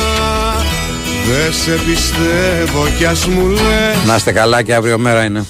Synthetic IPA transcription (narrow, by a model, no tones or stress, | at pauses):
ðesepist̪evocɐzmulenɐst̪ekɐlɐceɐvɾiomeɾɐine